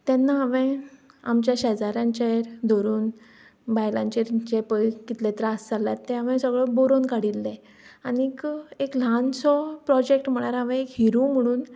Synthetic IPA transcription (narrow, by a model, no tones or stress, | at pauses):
t̪ɛnːaaʋẽamt͡ɕjaɕɛd͡zaɾjãɲt͡ɕeɾd̪ʱoɾuːn | bajlãɲt͡ɕeɾt͡ɕepəjkit̪let̪ɾast͡saljat̪ːẽaʋɛ̃səɡɭəboɾonkaɽilːẽ | anikeklansɔpɾɔd͡ʑek̚ʈm̤əɽ̃aɾaʋɛ̃ekɦiɾũm̤əɽ̃uːn